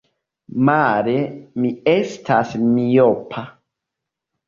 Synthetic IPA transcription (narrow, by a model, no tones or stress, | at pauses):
maɾemiestʰasmijopʰa